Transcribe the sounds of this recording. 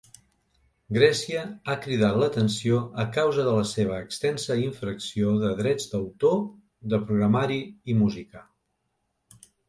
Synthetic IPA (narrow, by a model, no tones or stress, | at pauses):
ɡɾɛsiəakɾiðat̪lət̪ənsioəkawzəðələseβ̞əːkst̪ɛnsəiɱfɾəksioðəðɾɛd͡zd̪əwt̪o | ðəpɾuɣɾəmaɾiimuzikə